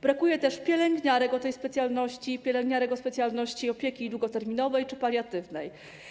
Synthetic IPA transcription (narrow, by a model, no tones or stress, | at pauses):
bɾakujɛt̪ɛʂpʲjɛlɛŋɡɲaɾɛkɔt̪ɛjspɛt̪sʲjalnɔɕt͡ɕipʲɛlɛŋɡɲaɾɛɡɔspɛt̪sʲjalnɔɕt͡ɕiɔpʲjekʲid̪wuɡɔt̪ɛɾmʲinɔvɛjt͡ʂɘpaɾʲjat̪ɘvnɛj